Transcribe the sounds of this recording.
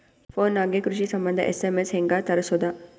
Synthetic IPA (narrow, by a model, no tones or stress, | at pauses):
foːnːaːɡekɾuʃiːsɐmbɐnd̪ə̰ʔesemesheŋɡaːt̪ɐɾɐsod̪aː